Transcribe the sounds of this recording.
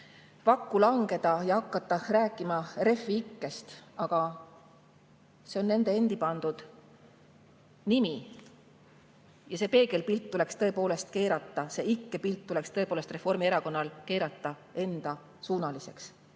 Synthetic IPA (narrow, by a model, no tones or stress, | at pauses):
vɑkːˑulɑŋɡ̥e̞d̪̥ɑjɑhɑkːɑt̪ːˑɑɾæːkːˑimɑre̞fːiikːe̞st̪ɑɡ̥ɑ | se̞o̞nːe̞nd̪̥e̞e̞nd̪̥ipɑnd̪̥ud̪̥ | nimi | jɑse̞pe̞ːke̞lpilt̪ːule̞kst̪ɤ̞e̞po̞ːle̞st̪̚ke̞ːɾɑt̪ːˑɑse̞ikːe̞pilt̪ːule̞kst̪ɤepoːlest̪re̞fo̞rmieɾɑko̞nːɑlke̞ːɾɑt̪ːˑɑ | e̞nd̪̥ɑ | suːnɑlise̞ks